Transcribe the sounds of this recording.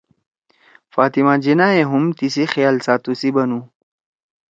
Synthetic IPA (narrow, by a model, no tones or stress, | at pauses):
faːt̪imad͡ʑinaːeɦumt̪isixjaːlsaːt̪usibɐnu